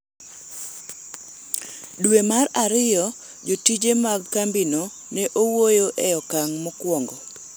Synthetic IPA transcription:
dwemaraɾɪjɔ | d͡ʒotid͡ʒemaɡkambino | nɛʔowojoʔɛjɔkaŋmɔkwɔŋɡɔ

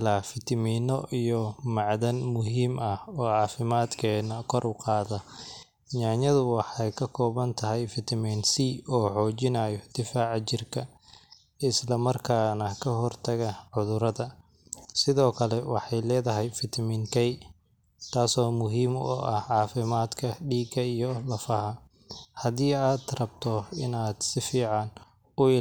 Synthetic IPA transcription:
laːfɪt̪ʰɐmiːnɔʔijɔmɑʕðɐnmʊɦiːmɐhɔːʕɑːfɪmaːd̪kʰɛːnɐkʰɔrʔʊqɑːðɐ | ɲaːɲɐðʊwɑħɑjkʰɐkʰɔːβɐnt̪ʰɐɦɛjfɪt̪ʰɐmiːnsiːɔːħɔːt͡ʃɪnaːjɔd̪̥ɪfaːʕt͡ʃɪrkʰɐ | ɪslɐmɐrkʰaːnɐkʰɐɦɔrt̪ʰɐɣɐʕʊðʊɾɐðɐ | sɪðɔːkʰɐlɛwɑ̰ħɑjlɛːðɐɦɛjfɪt̪ʰɐmiːnkʰɛj | t̪ʰaːsɔːmʊɦiːmɔ̰ʔɐhʕɑːfɪmaːd̪kʰɐɖiːɡɐijɔlɐfɐhɐ | hɐðiːaːd̪rɐbt̪ʰɔɪnaːd̪sɪfiːʕɑn | ʊɪ

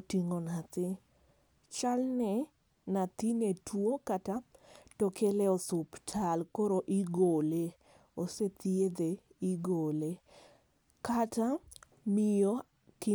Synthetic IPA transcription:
otiŋonat̪ɪ | t͡ʃalnɛ | nat̪inetʰwokatatokʰelɛosʊptʰalkoɾoʔiɡole | oset̪ied̪e | iɡole | kata | mɪjo | ki

